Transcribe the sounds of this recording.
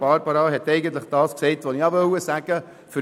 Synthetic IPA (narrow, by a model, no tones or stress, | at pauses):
b̥ɑɾbɑɾɑːɦɛt̪ːɛɪɡən̩t̪ləχd̥ɑːsksɛɪtʋoniɑʋœwəsæɡ̥ə | fʏ